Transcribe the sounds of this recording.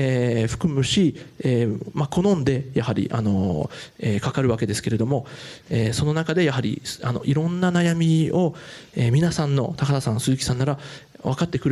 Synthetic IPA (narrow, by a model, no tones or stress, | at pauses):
eːɸɯ̥kɯ̟mɯ̟ɕieːmako̞nõ̞nd̪e̞jahɦaɾʲḭʔa̰no̞eːkakaɾɯ̟βake̞d̪e̞sɨ̥ke̞ɾe̞d̪o̞mo̞eːso̞no̞nakad̪e̞jaɦaɾʲḭsano̞̰ʔiɾõ̞nːanajamʲio̞eːmʲinasãnːo̞̰t̪akat̪asãnsɨzɨkʲi̥sãnːaɾa | βakat̪ːe̞kɯ̟ɾ